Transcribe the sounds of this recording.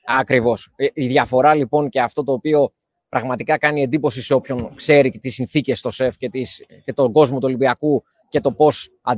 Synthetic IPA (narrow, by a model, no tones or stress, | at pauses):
ɐkɾivo̞siðʝɐfo̞ɾɐlipo̞ŋce̞ɐft̪o̞t̪o̞ːpio̞ | pɾɐɣmɐt̪ikɐkɐnie̞nd̪ipo̞siseo̞pço̞ŋkse̞ɾit̪isinθice̞st̪o̞se̞fcet̪isce̞t̪o̞ɡo̞zmo̞t̪ulibiɐku | ce̞t̪o̞po̞s | ɐ